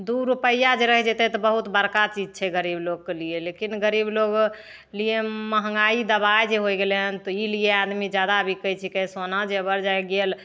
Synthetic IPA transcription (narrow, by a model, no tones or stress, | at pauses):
d̪uɾupəjad͡ʒeɾəɦɛd͡ʒet̪ɛt̪ɔbəɦut̪bəɾkat͡ʃid͡ʒt͡ʃʰɛɡəɾibloɡ̚kelijelekinɡəɾibloɡ | lijeməɦəŋɡaid̪əbajd͡ʒeɦojɡeleɦənt̪ɔiliead̪mid͡ʒjad̪abʱikət͡ʃʰikɛsonad͡ʒeəbəɾd͡ʒaɡel